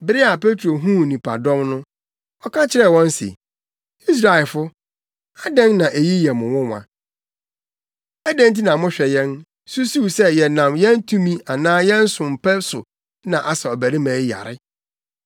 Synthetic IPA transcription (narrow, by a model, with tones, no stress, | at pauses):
bɪ˨˦ɾɪ˦a˨pe˦tʰo˨ɦũ˦˨nĩ˨pʰa̰˨dɔ̃˦mnʊ̃˦ | ɔ˦kʰã˦t͡ɕʰɪ˦ɾɛ˦˨wɔ̃˦n˦sɪ̰˨ | i˦s̬ɾa˨ɪ˨lfʊ˦ | a˦dɛ̃˦nnã˨ʔe˨ji˦jɛ˨mʊ̃˨wʊ̃˦wã̰˨ | ɛ˦dɛ̃˦nt̬i˦nã˨mʊ̃˦ɕᶣɛ˨jɛ̃˦n | su˦su˦sɛ˦jɛ˨nã˨mjɛ̃˦n˦tʰũ˦mĩ˦a˨nãː˦jɛ̃˦n̩˦sʊ̃˨m̩˨pʰɛ˦sʊ̰˨ | nã˨ʔa˨sa˨ɔ˨bæ˨ɾĩ˦mæ̃ː˨˦ja̰˨ɾɪ̰˦